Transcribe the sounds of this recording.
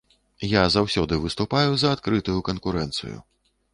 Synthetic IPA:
jazawsʲɔd̪ɨvɨst̪upajuzɐːt̪kɾɨt̪ujukɐnkuɾɛnt̪sɨ̰jṵ

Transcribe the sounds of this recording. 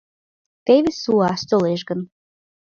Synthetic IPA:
t̪eβesuɑʃt̪oleʃɡən

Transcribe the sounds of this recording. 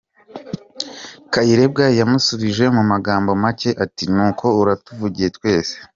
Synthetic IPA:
kajiɾe̞b̚ɡajjamusuβiʒe̞mumaɡaːmbo̞mace̞ʔatinuːkʰo̞uɾatuvuɟije̞twe̞ːse̥

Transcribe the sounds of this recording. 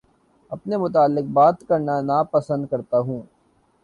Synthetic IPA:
ɐpnemʊt̪aːlːɪq̚baːt̪kɐɾnanapɐsə̃nd̪̚kɐɾt̪aɦũː

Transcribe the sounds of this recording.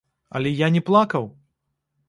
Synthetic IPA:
ɐ̰lʲɛjanʲɛplˠakɐw

